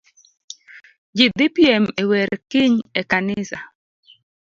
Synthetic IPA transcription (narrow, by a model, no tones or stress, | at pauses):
d͡ʒid̪ipjɛmeweɾkiɲekanɪsa